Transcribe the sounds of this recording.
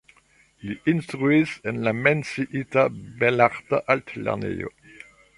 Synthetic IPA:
liʔinst̪ʁuisɛnlamɛnsiʔit̪abɛlaʁt̪aʔalt̪lɛ̰ʁnḛjo̰

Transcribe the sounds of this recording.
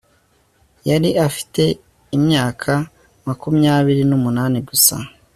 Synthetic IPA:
jaɾiafi̥te̞ | imɲaːkʰa | makumɲaːβiɾinumunaːniɡusa̰

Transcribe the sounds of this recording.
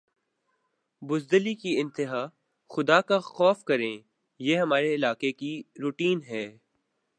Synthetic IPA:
bʊzd̪əlikiɪ̃nt̪ɪɦaː | xʊd̪akaxɔːfkɐɾẽː | jeːɦɐmaːɾeɪlaːkekiɾuʈiːnɦɛː

